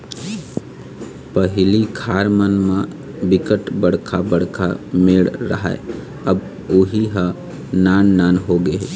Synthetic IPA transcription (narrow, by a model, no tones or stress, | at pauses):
pəɦɪlikʰaːɾmənmã | bɪkəʈbəɽkʰabəɽkʰa̰meɭɾɐ̰ɦa̰ḛ | ɐb | ʊɦiɦa | naːnːaːnɦoɡeɛ